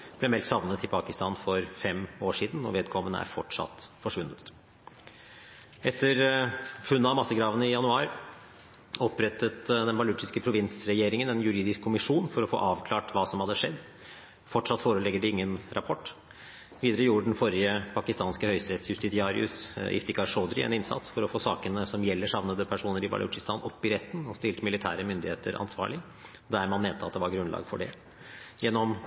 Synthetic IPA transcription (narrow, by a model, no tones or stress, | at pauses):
b̥lɛmɛlk̪sɑʋnət̪ʰɪlpʰɑkɪst̪ɑːnfɔɾfɛmoːʂiːd̪n̩ːɔ̰ʋeːd̪̚kʰɔmːənə̰æ̰ɾfɔʈʂɑ̰t̪ːfɔʂʋʉnːət̪ | ɛt̪ʰːəɾfʉnːəɑmɑsːəɡɾɑːʋənɪjɑnʉɑːɾ | ɔpːɾɛt̪ːət̪d̪ɛnbɑlʉʈɪskəpʰɾʊʋɪnsɾɛjeːɾɪŋənɛnjʉɾiːd̪ɪskʰːʊmɪʂuːnfɔɾɔfo̰ːʔɑːʋkʰlɑːʈʋɑːsɔmhɑd̪ːəʂɛd̪ː | fɔʈʂɑt̪ːfoːɾəlɛɡəɖɪɪŋːənɾɑpʰɔʈː | ʋiːd̪əɾəjuːəɖɛn̩fɔɾɪəpʰɑkɪst̪ɑːnskəhœʏst̪ɾɛt̪sjʉst̪ɪt̪ɪɑːɾɪ̰ʉ̰sɪ̰ft̪ɪkɑɾʂoːd̪ɾɪ̰ɛ̰nɪnsɑ̰t̪sfɔɾɔfoːsɑːkənəsɔmjɛlːəʂɑʋnəd̪əpʰæʂuːnəɾɪbɑ̰lʉ̰t͡ʃɪst̪ɑːnɔpːɪɾɛt̪ːənɔst̪ɪlt̪əmɪlɪt̪ʰæ̰ːɾəmʏnd̪ɪheːt̪ʰəɾɑ̰nsʋɑ̰ːɭɪ | d̪æɾmɑnmeːnt̪əɑt̪d̪ɛʋɑɾɡɾʉnlɑ̰ːɡfɔ̰ɖɛ̰ | jɛnːɔm